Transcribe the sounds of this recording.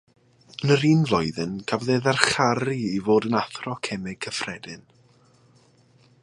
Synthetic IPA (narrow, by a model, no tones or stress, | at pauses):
ənəɾiːnvlˠɔjðɨnkʰavðeːðarχaɾiivoːdənaθrɔkʰɛmɪɡ̚kʰəfrɛdɪn